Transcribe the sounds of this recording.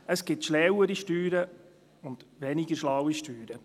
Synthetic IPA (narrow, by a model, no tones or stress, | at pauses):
əsɡ̥ɪtʃlɛwəɾiʃtyːɾə | ʊnd̥̪ʋɛnɪɡəʃlawiʃtyːɾə